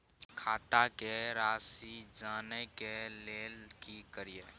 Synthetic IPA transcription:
kʰaːt̪akeɾaːsid͡ʒaːnekeleːlkikəɾije

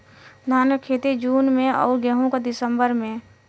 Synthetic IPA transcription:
naːnəkʰːeːt̪id͡ʒuːnmẽɔ̰ːɾɡəɦõkad̪ɪsəmbəɾmẽ

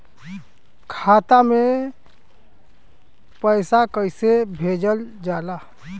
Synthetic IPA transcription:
kʰat̪ame | pəɪsakəɪsebʱed͡ʒəld͡ʒala

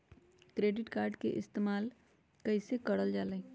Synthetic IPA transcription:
kɾeːɖɪʈkaːɾɖkḛʔɪst̪eːmaːl | kɐisekɐɽəld͡ʒaːlə̃

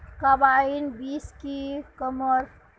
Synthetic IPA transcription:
kabainbiːskikəməɾ

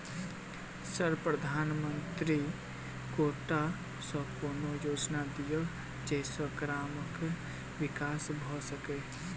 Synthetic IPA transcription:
səɾpɾəd̪ʱaːnmənt̪ɾi | koːʈa | sə̃koːnojoːd͡ʒnad̪ijə | d͡ʒɛːsəkɾaːmək | ʋɪkaːsbʱɔsəke

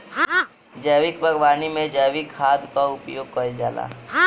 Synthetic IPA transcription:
d͡ʒəːʋɪkbʱɐɡʋaːnimẽd͡ʒəːʋɪkʰːaːd̪kaʊpjoːɡ̚kəd͡ʒa̰ːla̰ː

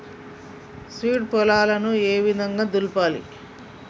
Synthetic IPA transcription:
sʋiːʈ̚pɔlaːlɐnueːʋid̪ʱɐŋɡaːd̪ulpaːlḭ

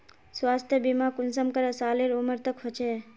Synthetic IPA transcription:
swaːst̪ʰjəbimakunsəmkəɾəsaːliɾuməɾt̪əkɦot͡ʃʰe

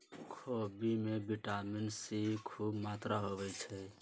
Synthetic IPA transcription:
kʰobimebiʈaminsikʰubmat̪ɾaɦoβɛt͡ʃʰɛ

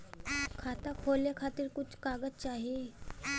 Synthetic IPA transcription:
kʰaːt̪akʰoːljakʰaːt̪ɪɾkʊt͡ʃʰkaːɡəd͡ʒt͡ʃaːɦie

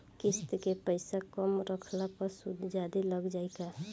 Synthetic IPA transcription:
kist̪kepəɪsakəmɾəkʰlapəɾsud̪d͡ʒad̪iləɡd͡ʒajka

